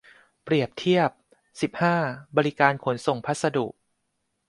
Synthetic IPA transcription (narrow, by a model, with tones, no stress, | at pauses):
pɾi˨˩əp̚t̪ʰi˥˩əp̚ | si˨˩p̚haː˥˩bɔː˧ɾi˦˥kaː˧nkʰo˩˦nso˨˩ŋpʰa˦˥t̪̚sa˧dṵ˨˩k̚